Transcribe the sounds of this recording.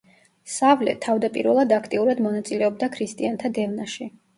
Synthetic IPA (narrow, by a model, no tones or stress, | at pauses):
savlɛ̰t̪ʰavd̪apʼḭɾvɛlˠad̪akʰt̪ʼiuɾad̪mɔnat̪sʼilɛɔb̚d̪akʰɾist̪ʼiant̪ʰad̪ɛvnaʃi